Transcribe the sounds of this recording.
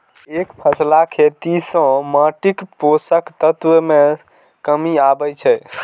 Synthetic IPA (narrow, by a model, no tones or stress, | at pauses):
ekpʰəslakʰet̪isə̃məʈikposəkt̪ət̪wəme | kəmiabət͡ʃʰɛ